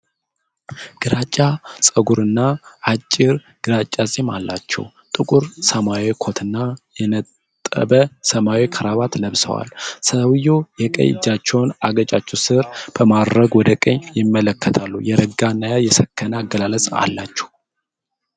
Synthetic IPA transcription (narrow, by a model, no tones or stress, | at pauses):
ɡ̥ɨɾat͡ʃʼːasʼəɡuɾɨnːaat͡ʃʼːɪɾ | ɡ̥ɨɾat͡ʃʼːazʼimalːat͡ʃːɛ̰w | t̪ʼɨkʼuɾsəmawikʰo̞t̪ʰɨnːajɛnət̪ʼː | ə̰bəsəmawikʰəɾaβat̪ləβsə̰wa̰lsəwjojɛkʼə̰jɪ̰d͡ʒːat͡ʃːɛwnaɡət͡ʃʼat͡ʃːɛwsɨɾb̥əmad̪ɾəɡwɔd̪əkʼəɲjɪmːələkːət̪ʰalːujɛɾəɡanːajajɛsəkʰːənaːɡːəlaləsʼa̰lːat͡ʃːɛ̥w